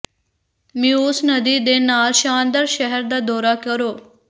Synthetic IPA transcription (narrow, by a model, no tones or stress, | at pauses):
mĩːʊsnəd̪iːd̪enaːlʃãːnd̪əɾʃəɦəɾd̪aːd̪ɔːɾakəɾoː